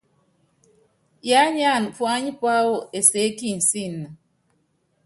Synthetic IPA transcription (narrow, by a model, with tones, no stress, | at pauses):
ja˦ɲ˦a˦˨nfwa˦ɲi˦pwa˦wo˦˨e˨se˨˦ki˦˨n̩˨si˦˨nːa˨